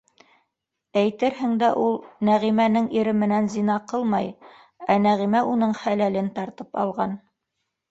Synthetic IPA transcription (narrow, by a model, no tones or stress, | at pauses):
æjt̪ɘɾhɘ̆ŋd̪æʔulˠnæʁimænɘŋiɾɘmɘ̆nænzinɑqɤlˠmɑj | ænæʁimæʔunɤɴχælælɘnt̪ɑɾt̪ɤpɑ̰lˠʁɑn